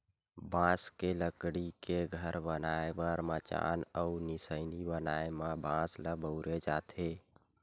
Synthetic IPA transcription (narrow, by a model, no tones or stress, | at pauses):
bãskeləkɽikeɡʱəɾbənaebəɾmət͡ʃa̰nəunisəɪnibənaemabãsləbəʊɾed͡ʒat̪ʰe